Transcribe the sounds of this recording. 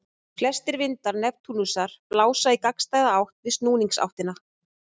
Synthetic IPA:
flɛst̪ɪɾvɪnt̪aɾnɛvt̪ʰuːnusaɾ̥plaːwsaikakst̪aːjðaawht̪vɪst̪nuːniŋksa̰wht̪ɪna

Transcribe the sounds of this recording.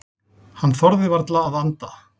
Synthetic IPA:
hanːθɔɾðɪvaɾt̪laːðant̪a

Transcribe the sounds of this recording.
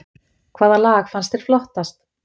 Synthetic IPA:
kʰv̥aːðalaːxfanst̪ɪɾ̥flɔht̪ast̪

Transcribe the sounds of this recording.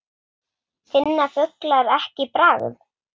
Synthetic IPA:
fɪnːafʏklaɾɛhcɪpɾaːɣʏ̰m

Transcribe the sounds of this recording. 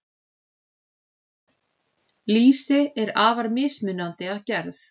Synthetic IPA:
liːsɪɛɾaːvaɾmɪːsmɪnːant̪ɪaðcɛɾθ

